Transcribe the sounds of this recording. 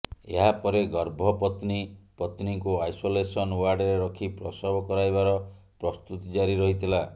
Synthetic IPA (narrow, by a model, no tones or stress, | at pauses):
ḛɦapɔɾeɡɔɾbʱɔpɔt̪nipɔt̪niŋkuajsolesɔnwaɾɖɾeɾɔkʰipɾɔsɔbɔkɔɾajbaɾɔ | pɾɔst̪ut̪d͡ʒaɾiɾɔɦit̪ʰila